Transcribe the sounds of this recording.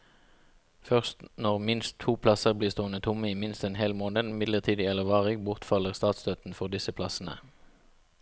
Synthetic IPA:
fœʁst̪nɔʁmɪnst̪ʰuːpʰlɑsəʁbliːst̪oːənət̪ʰʊməiːmɪnst̪ɛnɦheːlmoːnəd̪mɪd̪ləʁt̪ʰiːd̪ɪɛləʋɑːʁɪɡbʊʁt̪fɑləʁst̪ɑːt̪sd̪øːt̪n̩fɔʁd̪ɪsəpʰlɑsn̩ə̰

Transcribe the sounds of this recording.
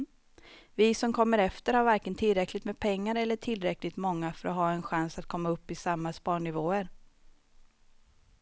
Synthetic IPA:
vɪsɔmkʰɔmːəɾɛft̪əɾhaɾvæɾkənt̪ʰɪlɾɛklɪt̪mɛːd̪pʰɛŋːaɾɛlːəʈʰɪlɾɛklɪɡt̪mɔŋːafœɾɔɦɑːɛnɧansat̪̚kʰɔmːaɵpːɪsamːaspɑːɳɪvoːəɾ

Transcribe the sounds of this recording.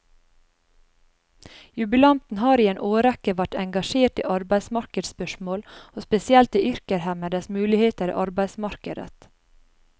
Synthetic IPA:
jʉbɪlɑnt̪n̩hɑːɾiːeːnʔoːɾɛkəʋæʈɛŋɡɑʃeːʈḭːʔɑɾbæɪsmɑɾkəd̪spœʃmoːloːspɛsɪɛlt̪iːʔʏɾkəɾhæməd̪əsmʉːlɪheːt̪əɾḭːʔɑɾbæɪsmɑɾkəd̪ə̰t̪

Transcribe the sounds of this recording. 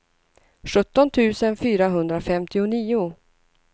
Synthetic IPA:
ɧɵt̪ːɔnt̪ʰʉ̟ːsənfyːɾaɦɵnd̪ɾafɛmt̪ɪʊniːʊ

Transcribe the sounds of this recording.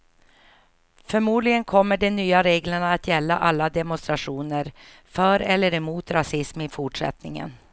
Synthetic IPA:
fœɾmuːd̪lɪɡənkʰɔmːəɖɛnyːaɾeːɡləɳaːt̪jɛlːaʔalːad̪ɛmʊnst̪ɾaʂuːnəɾ | fœɾɛlːəɾɛmuːt̪ɾasɪsmɪfʊʈʂɛ̰t̪nɪŋə̰n

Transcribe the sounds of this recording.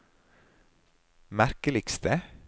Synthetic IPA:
mæɾkəlɪkst̪ə

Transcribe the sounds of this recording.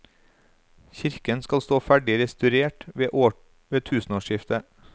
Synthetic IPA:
çɪɾkənskɑlst̪oːfæɖɪɾɛst̪ʉɾeːʈʋeːʔoː | ʋeːt̪ʰʉːsn̩oːʃɪft̪ə

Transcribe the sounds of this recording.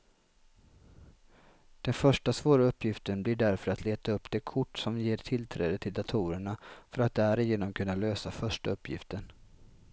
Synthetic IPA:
d̪̥ɛnfœʂʈasvoːɾaɵpːjɪft̪ənblɪɖæɾfœɾat̪leːt̪aɵpːd̪̥ɛːkʰʊʈːsɔmjeːʈʰɪlt̪ʰɾɛ̰ːd̪ət̪ʰɪld̪at̪ʰuːɾəɳafœɾat̪̚d̪ɛæɾɪjeːnɔmkʰɵnːaløːsafœʂʈaɵpːjɪ̰ft̪ən

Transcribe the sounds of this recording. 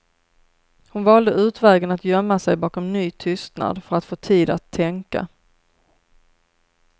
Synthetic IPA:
hʊnvɑːld̪əʉ̟ːt̪vɛːɡənat̪jœmːasɛjbɑːkɔmnyːt̪ʰʏst̪na̰d̪fœɾat̪foːt̪ʰiːd̪at̪ʰːɛŋka̰

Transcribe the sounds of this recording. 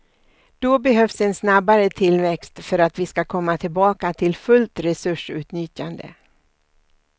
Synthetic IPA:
d̪̥ɔbɛɦœfsɛnsnabːaɾət̪ʰɪlvɛkst̪fœɾat̪vɪskakʰɔmːat̪ʰɪlbɑːkat̪ʰɪlfɵlt̪ɾɛsɵʂʉ̟ːt̪nʏt̪and̪ə̰

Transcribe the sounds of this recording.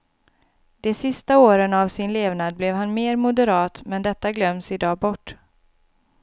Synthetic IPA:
d̪ɛsɪst̪aoːɾənavsɪnleːvnad̪̚blɛvhanmeːɾmʊd̪ɛɾɑːt̪mɛnd̪ɛt̪ːaɡlœmːsɪd̪ɑːbɔʈː

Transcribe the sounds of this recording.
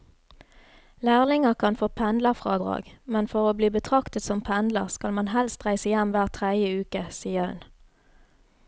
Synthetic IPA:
læːʁlɪŋəʁkʰɑnfoːpʰɛnd̪ləʁfʁɑːd̪ʁɑ̰ːɡmɛnfɔʁoːbliːbət̪ʰʁɑkt̪ət̪sɔmpʰɛnd̪ləʁskɑlmɑnhɛlst̪ʁæɪsəjæmʋæːʁt̪ʰʁæjəʉːkəsiːəhʉ̰n

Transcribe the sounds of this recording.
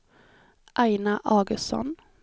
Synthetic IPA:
ʔæɪnɑʔɑːɡəsɔ̰n

